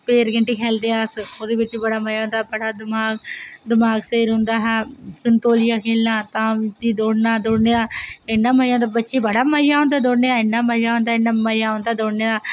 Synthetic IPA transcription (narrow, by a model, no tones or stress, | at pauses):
peːɾɡɪɳʈiːkʰɛːld̪eːaːsoːd̪eːbɪt͡ʃt͡ʃiːbəɽaːməjaːõnd̪aːbəɽaːd̪ɪmaːɡd̪ɪmaːɡseːɾɦʊ̃nd̪aːɦɛːsɪnt̪oːlɪjaːkʰelːãːt̪ãːt̪iːd̪oːɽnaːd̪oːɽneːd̪aːɪnːaːməjaːnd̪abətːʃiːbəɽaːməjaːʊ̃nd̪aːd̪oːɽneːd̪aːɪnːaːməjaːʊ̃nd̪aːɪnːaːməjaːʊ̃nd̪aːd̪oːɽneːd̪aː